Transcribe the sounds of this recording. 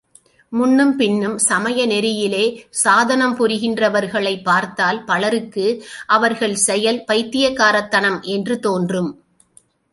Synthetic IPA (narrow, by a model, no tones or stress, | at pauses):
mʊnːɯmpɪnːɯmsɐmɐjɐnɛɾɪjɪleːsaːðɐnɐmpʊɾɪɣɪndrɐʋɐɾɣɐɭɐɪpːaːɾt̪aːlpɐɭɐɾɯkːɯʔɐʋɐɾɣɐɭsɛjɐlpɐɪt̪ːɪjɐkːaːɾɐt̪ːɐnɐmʔɛndrɯt̪oːndrɯm